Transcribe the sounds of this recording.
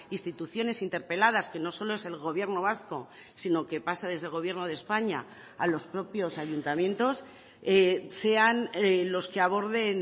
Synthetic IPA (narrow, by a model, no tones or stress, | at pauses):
inst̪it̪uθjo̞ne̞sint̪e̞ɾpe̞lað̞aske̞no̞so̞loe̞se̞lɣo̞βje̞ɾno̞β̞asko̞ | sino̞ke̞pasað̞e̞zðelɣ̞o̞βje̞ɾno̞ðespaɲa̰ | alo̞spɾo̞pjo̞saʝunt̪amjẽ̞nt̪o̞s | ese̞anlo̞skeaβ̞o̞ɾðe̞n